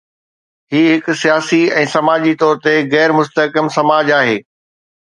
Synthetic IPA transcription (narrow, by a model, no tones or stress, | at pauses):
hiːɦɪkʊsijaːsiɛ̃ːsɐmaːd͡ʑit̪ɔːɾt̪eɣɛːɾmʊst̪əkəmsɐmaːd͡ʑaːɦeː